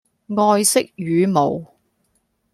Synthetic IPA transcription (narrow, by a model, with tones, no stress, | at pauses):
ŋɔː˧jsɪ˥k̚jyː˨˧mo˨˩w